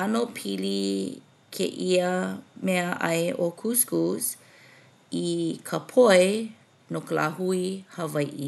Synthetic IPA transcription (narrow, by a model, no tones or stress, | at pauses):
anopʰili | kʰḛʔiəmɛəʔɐ̰jʔokʰuskus | ikʰəpʰoe | nokəla̰huihɐvɐjʔi